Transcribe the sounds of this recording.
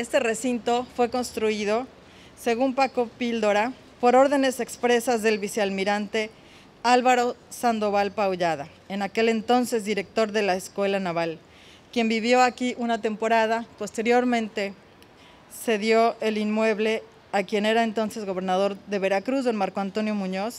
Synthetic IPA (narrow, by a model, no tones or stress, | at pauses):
est̪e̞re̞sint̪o̞fwe̞ko̞nst̪ɾuið̞o̞ | se̞ɣumpako̞pild̪oɾa | po̞ɾo̞ɾðe̞ne̞sekspɾe̞sazðe̞lβiseaðmiɾant̪e̞ | alβaɾo̞sand̪o̞βalpawʝað̞a | enake̞le̞nt̪o̞nse̞zðiɾe̞k̚t̪o̞ɾðe̞laeskwe̞lanaβal | kje̞mbiβjo̞akiʔunat̪e̞mpo̞ɾað̞apo̞st̪e̞ɾjo̞ɾmẽnt̪e̞ | se̞ðjoe̞linmwe̞βle̞ | akje̞ne̞ɾaent̪o̞nse̞zɣo̞β̞e̞ɾnað̞o̞ɾðe̞βe̞ɾakɾuzðo̞nmaɾkoant̪o̞njo̞mũɲo̞s